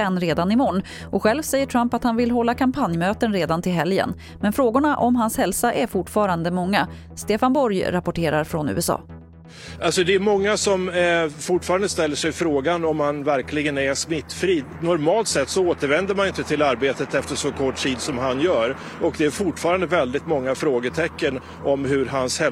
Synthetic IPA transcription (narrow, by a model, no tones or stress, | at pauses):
ɛnːɾeːd̪anɪmɔɳː | ʔɔɧɛlvsɛjːəʈʰɾampat̪hanvɪlɦɔlːakʰampʰanjmøːt̪ənɾeːd̪ant̪ɪlɦɛljə̰n | mɛnfɾoːɡʊɳaʔɔmɦanshɛlsaʔæɾfʊʈfɑːɾand̪əmɔŋːa | st̪eːfanbɔɾjɾapɔʈʰeːɾaɾfɾɔnʉ̰ːɛsɑ̰ː | ʔalsɔd̪ɛːɾmɔŋːasɔmfʊʈfɑːɾand̪əst̪ɛlːəʂɛjfɾoːɡanɔmhanvæɾkʰlɪɡənæɾʂmɪt̪ːfɾiː | nɔɾmɑːlt̪sɛt̪ːsɔoːt̪əɾvɛnd̪əɾmanɪnt̪ət̪ʰɪlaɾbeːt̪ət̪ɛft̪əʂɔkʰɔʈtiːd̪sɔmɦanjœːɾ | ɔkd̪ɛæɾfʊʈfɑːɾand̪əvɛld̪ɪt̪mɔŋːafɾoːɡəʈʰɛkːən | ɔmɦɵɾɦanshɛ